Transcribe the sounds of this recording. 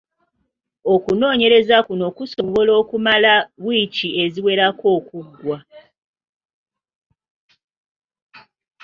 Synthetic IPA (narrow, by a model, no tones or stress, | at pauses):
o̞kuno̞ːɲe̞ɾe̞zakuno̞kuso̞βo̞lo̞ːkumalaβwiːcie̞ziwe̞ɾako̞ːkuɡwa